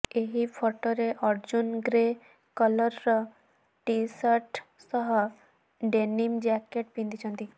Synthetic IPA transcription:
eɦipʰɔʈɔɾeʔɔɾd͡ʑunɡɾe | kələɾːɔ | ʈisəʈsəɦɔ | ɖenimd͡ʑɛkeʈ̚pĩnd̪it͡ʃʰənt̪i

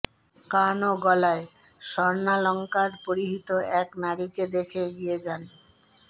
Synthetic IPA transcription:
kanoɡɔlae | ʃɔɾnalɔŋkaɾpoɾiɦit̪oɛknaɾiked̪ekʰeɡijed͡ʑan

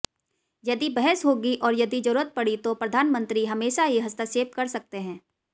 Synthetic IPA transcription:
jɐd̪ibɛɦɛsɦoːɡiʔɔːɾjɐd̪id͡ʒɐɾuːɾət̪̚pɐɽit̪opɾɐd̪ʱaːnmə̃nt̪ɾiɦɐmeːʃaɦiɦɐst̪aseːp̪̚kɐɾsɐk̚t̪eɦɛ̃ː

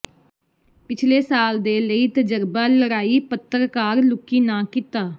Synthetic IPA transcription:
pɪt͡ʃʰleːsaːld̪eːləiːt̪əd͡ʒəɾbaːləɾaːiːpət̪ːəɾkaːɾlʊkːiːnãːkɪt̪aː

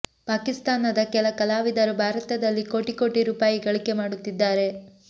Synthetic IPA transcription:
paːkist̪aːnɐd̪ɐkɛlɐkɐlaːʋid̪ɐɾubʱaːɾɐt̪ɐd̪ɐlːiko̞ːʈiko̞ːʈiɾuːpaːjiɡɐɭike̞maːɽut̪ːid̪ːaːɾe̞

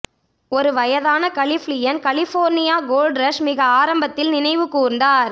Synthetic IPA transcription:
ɔɾɯʋɐjɐðaːnɐkɐɭɪflɪjɐnkɐlɪfoːɾnɪjaːɡoːlɖɾɐʂmɪɣɐaːɾɐmbɐt̪ːɪlnɪnɐɪʋɯkːuːɾndaːɾ

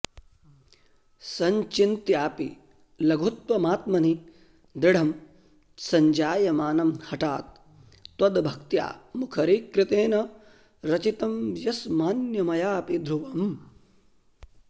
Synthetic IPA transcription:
sɐɲt͡ʃint̪jaːpi | lɐɡʱut̪wɐmaːt̪mɐni | d̪ɾɪɽ̤ʱɐm | sɐɲd͡ʒaːjɐmaːnɐmhɐʈaːt̪̚ː | wɐd̪bʱɐk̚t̪ja̰ːmukʰɐɾiːkɾɪt̪eːnɐ | ɾɐt͡ʃit̪ɐmjɐsmaːnjɐmɐjaːpid̪ʱɾuʋɐm

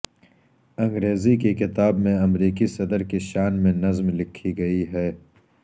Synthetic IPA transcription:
ɐ̃ŋɡɾeːzikekɪt̪aːbmẽɐmɾiːkisɐd̪əɾkeʃaːnmẽnɐzmlɪkʰːiɡɐiɦɛː

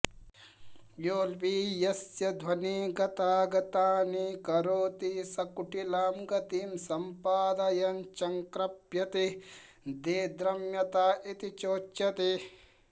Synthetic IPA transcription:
joːlʋiːjɐsjɐd̪ʱʋɐniːɡɐt̪aːɡɐt̪aːnikɐɾoːt̪isɐkuʈilaːmɡɐt̪iːmsɐmpaːd̪ɐjɐnt͡ʃɐŋkɾɐpjɐt̪i | d̪eːd̪ɾɐmjɐt̪aːʔit̪it͡ʃoːt͡ʃːɐt̪i

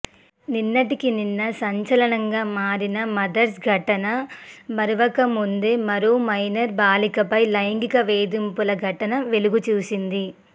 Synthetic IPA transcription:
ninːɐʈikininːɐsɐɲt͡ʃɐlɐɳɐŋɡaːmaːɾinɐmɐd̪ɐɾsɡʱɐʈɐnɐbɐɾuʋɐkɐmːund̪e̞ːmɐɾuːmɐjnɐɾbaːlikɐpɐjlɐjŋɡikɐʋeːd̪impulɐɡʱɐʈɐnɐʋe̞luɡut͡ʃuːsind̪i

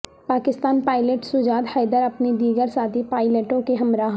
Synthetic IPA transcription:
paːkɪst̪aːnpaːɪleʈsʊd͡ʒaːd̪xɐːd̪əɾɐpned̪iːɡəɾsaːt̪ʰipaːɪleʈõkeɦɐmɾaːɦ

